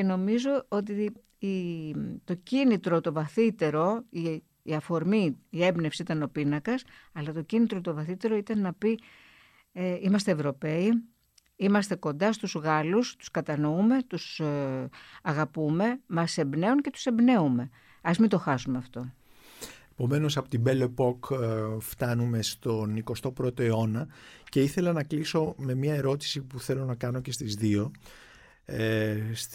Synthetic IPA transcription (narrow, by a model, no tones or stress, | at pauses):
eno̞mizo̞ʔo̞t̪̬i | it̪o̞cinit̪ɾo̞t̪o̞vɐθit̪e̞ɾo̞iː | ɐfo̞ɾmiie̞bnefsiit̪ɐno̞pinɐkɐsɐlɐt̪ocinit̪ɾo̞t̪o̞vɐθit̪e̞ɾo̞it̪ɐnːɐpi | eimɐst̪eːvɾo̞pe̞i | imɐst̪e̞ko̞nd̪ɐst̪uzɣɐlust̪u̥skɐt̪ɐno̞ume̞t̪us | ɐɣɐpume̞mɐse̞mbne̞unce̞t̪u̥se̞mbne̞ume̞ | ɐzmint̪o̞xɐsumeɐft̪o̞ | epo̞me̞no̞sɐpot̪ibelepokft̪ɐnume̞st̪o̞niko̞st̪o̞pɾo̞t̪o̞eo̞nɐce̞iθe̞lɐnɐkliso̞me̞miɐe̞ɾo̞t̪i̥sipuθe̞lo̞nɐkɐno̞ce̞st̪izðio̞ | es